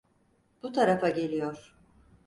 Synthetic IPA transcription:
b̥ut̪ʰaɾafaɟe̞lʲijoɾ̥

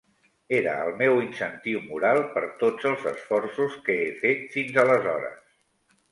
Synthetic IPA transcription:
eɾə̰ə̰lˠmewinsənt̪iwmuɾalˠpəɾt̪od͡zəlˠzəsfɔrsuskəefet̪finzələzɔɾə̰s

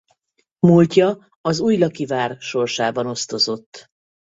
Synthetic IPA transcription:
mulcɒ | ɒzuːjlɒkivaːrʃo̞rʃaːbɒno̞st̪o̞zo̞t̪ː

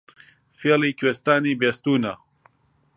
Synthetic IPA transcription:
feːliːkwest̪aːniːbeːst̪uːna

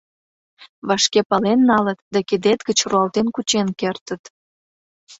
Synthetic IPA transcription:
βɑʃkepɑlenːɑlət̪d̪ɑked̪et̪ɡət͡ɕruɑlt̪enkut͡ɕenkert̪ət̪

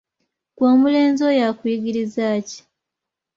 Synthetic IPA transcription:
kwoːmule̞ːnzo̞jakwiːɡiɾizaːci̥

